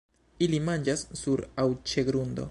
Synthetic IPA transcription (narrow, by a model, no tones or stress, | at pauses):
ilimand͡ʒasːuɾawt͡ʃe̞ɡɾundo̞̰